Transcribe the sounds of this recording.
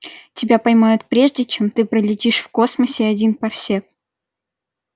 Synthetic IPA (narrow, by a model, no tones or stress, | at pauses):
tʲɪbʲapɐjmajʊt̪pɾʲe̞ʐdʲɪt͡ɕemt̪ɨpɾəlʲɪtʲiʂfko̞sməsʲɪɐdʲinpɐrsʲek̚